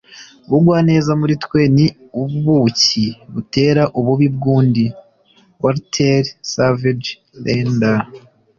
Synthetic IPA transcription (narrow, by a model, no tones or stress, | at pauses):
βuɡwaːne̞zamuɾitkwe̞ni | uββuciβute̞ːɾaʔuβuβibɡuːndi | waɾtʰeɾsaved͡ʒ | lenda